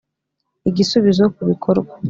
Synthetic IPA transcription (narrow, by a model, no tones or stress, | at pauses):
iɡisuβizokuβikʰoɾɡwa